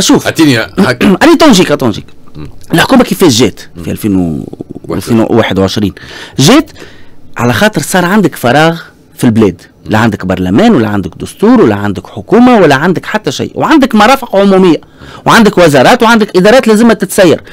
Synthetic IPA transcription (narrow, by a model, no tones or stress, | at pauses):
ʃuːft̪i | ʔænit̪ˤonʒiːkæt̪ˤunʒḭːkʔɪlħkuːmækɪfɛːʒːɛːt̪fiʔæ̰lfiːn̰ | iːwaːħɪd̪wʕɪʃɾiːnʒɛːt̪ʕa̰læxɑːt̪ˤəɾsˤɑːɾˤʕand̪ɪkfɑɾˤɑːɣ | filblɛːd̪ | liʕand̪ɪkbɑɾˤlæmɛːnwælːæʕand̪ɪk̚d̪ʊst̪uːɾwælːæʕand̪ɪkħʊkuːmawælːæʕand̪ɪkħat̪ːæʃḭjːʔwʕand̪ɪkmɑɾˤɑːfɪqʕʊmumɪjːa | wʕand̪ɪkwɪzɑɾˤɑːt̪wʕand̪ɪkʔɪd̪ɑɾˤɑːt̪lɛːzɪmhæt̪ɪt̪sæjːɑ̰ɾˤ